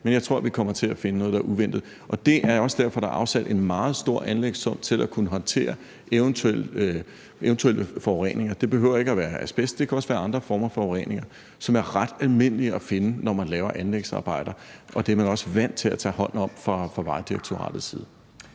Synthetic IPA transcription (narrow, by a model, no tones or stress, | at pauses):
menjɪt͡sʰʁo̝ɐ̰ʋikʰɒ̽m̰ɐt͡sʰe̝læfe̝nənɔ̽ːð̞̩ˠd̥ɑɐʔuʋen̰d̥ð̩ˠ | ʔɒ̽d̥e̝ʔæɐɒ̽sd̥æɐ̰fɒ̽d̥ɑ̈ʔɑ̈ʊsæd̥e̝nmɑ̈ːð̞̩ˠsd̥o̝ɐ̰ʔænleɡ̥sɒ̽m̰t͡sʰe̝lʔækʰunəɦɒ̽nt͡sʰe̝̰ːɐ | ʔeʊnt͡sʰuel̰ø | eʊnt͡sʰuelʔəfɒʁɛ̰ːne̝ŋɐd̥e̝b̥e̝ɦøʊ̰ɐe̝ɡ̥əæʋæːɐæsb̥esd̥̚d̥e̝kʰæɒ̽sʋæːɐɑ̈nd̥ʁɐfɒːmɐfɒʊʁḛːne̝ŋɐ | sɒ̽mæɐʁɑd̥ælme̝n̰əliæfe̝nənɒmænlɛːʊɐʔænleɡ̥sɑ̈ːb̥ɑ̈ɪ̰d̥ɐʔɒ̽d̥eɐmænɒ̽sʋæn̰d̥t͡sʰe̝læt͡sʰɛ̰ːhɒ̽n̰̩ɒ̽m̰fʁɑ̈fɑ̈ʋɑ̈ɪd̥iʁeɡ̥t͡sʰo̝ʁɑ̰̈ːd̥ð̩ˠsḭːð̞ˠ